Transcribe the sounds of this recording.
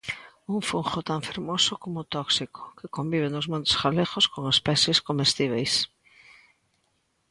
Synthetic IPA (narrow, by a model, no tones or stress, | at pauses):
uŋfuŋxot̪aɱfeɾmosʊkomʊt̪ɔksiko̥kɪkombiβ̞enʊzmõnt̪e̥sxaleɣoskoŋespɛseskomest̪iβ̞ejs